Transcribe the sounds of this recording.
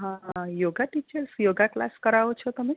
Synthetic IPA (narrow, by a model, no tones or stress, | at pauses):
ɦãjoɡaʈit͡ɕəlsjoɡakla̰skəɾaʋt͡ʃʰɔt̪əmi